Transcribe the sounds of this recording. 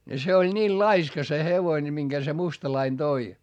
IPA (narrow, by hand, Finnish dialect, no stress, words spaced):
ne se olʲ nʲiːl lɑiskɑ se heʋoine miŋɡ̊æ se mustɑlɑin d̥oi